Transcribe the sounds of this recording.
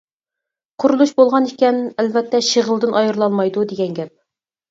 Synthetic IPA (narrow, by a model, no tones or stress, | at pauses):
qʰʊɾulˠuʃbolˠʁɑnikʲɛnælvɛt̪ːɛʃiʁəlˠd̪ɨnʔɑjɨɾlˠɑlˠmɑjd̪ud̪eɡʲɛnɡʲɛp̚